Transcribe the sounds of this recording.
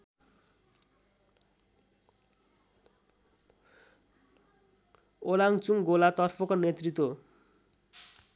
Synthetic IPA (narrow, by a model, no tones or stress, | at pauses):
olaŋt͡suŋɡolat̪ʌrpʰʌkonet̪rit̪wo